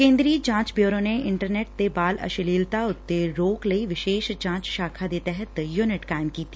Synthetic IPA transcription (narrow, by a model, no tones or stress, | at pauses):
kẽːnd̪ɾid͡ʒãːt͡ʃbjoːɾõneɪ̃ɳʈəɾneːʈ̚t̪ebaːlɐ̰ʃɪliːlt̪aʊt̪ːeɾoːklɐiʋɪʃeːʃd͡ʒãːt͡ʃʃaːkʰad̪eːt̪ɛɦət̪joːnɪʈkaːɪmkiːt̪i